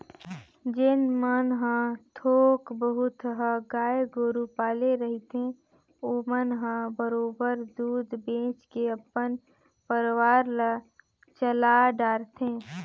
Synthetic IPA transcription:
d͡ʒɪnmənɦə̃t̪ʰoːkbəɦʊt̪ɦəɡaːjɡoːɾupaːleɾəɦit̪ẽ | oːmənɦə̃bəɾoːbəɾd̪uːd̪bẽːt͡ʃkeəpːən | pəɾwaːɾla | t͡ʃəlaɖaːɾt̪ẽː

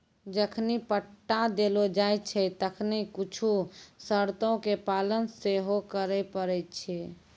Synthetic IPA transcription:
d͡ʒəkʰnipəʈːad̪elod͡ʒajt͡ʃʰɛt̪əkʰnikut͡ʃʰusəɾt̪õkepalənseɦokəɾɛpəɾɛt̪̚t͡ʃʰi

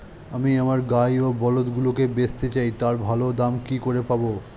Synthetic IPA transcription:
amiamaɾɡajobɔlot̪ɡulokebest̪et͡ɕajt̪aɾbʱalod̪amkikoɾepabo

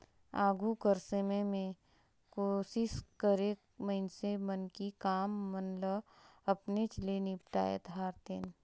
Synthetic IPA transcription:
aːɡukəɾsəmẽmẽ | koːʃɪʃkəɾeːkmɐɦɪnsemənkikaːmːənləɐpnet͡ʃəlenipʈa̰ːḛt̪ɦaːɾt̪eːn

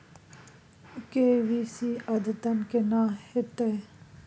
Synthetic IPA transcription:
keʋisiɐd̪t̪ɐnkenaːhet̪e

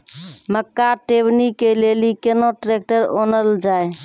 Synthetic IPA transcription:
məkːaʈebnikelelikenoʈɾek̚ʈəɾo̰nəld͡ʒae

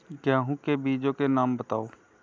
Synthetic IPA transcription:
kjaːɦũkebiːd͡ʒõkenaːmbət̪aːoː

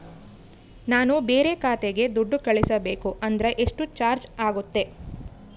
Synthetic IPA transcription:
naːnubeːɾe̞kaːt̪eɡe̞d̪uɖːukɐɭisɐbe̞ːkuʔɐnd̪ɐɾeʔeʂʈut͡ʃaːɾd͡ʒaːɡut̪ːe̞

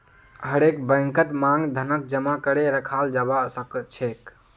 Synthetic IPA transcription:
ɦəɾekbə̃ŋkət̪mãŋɡd̪ʱənək̚d͡ʒəmakəɽeɾəkʰald͡ʒabasəkt͡ʃʰek

